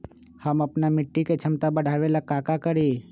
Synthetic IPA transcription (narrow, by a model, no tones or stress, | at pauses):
hɐmɐpnamɪʈːiket͡ʃʰɐmt̪abɐɽ̤ʱaːʋelakaːkakɐɾiː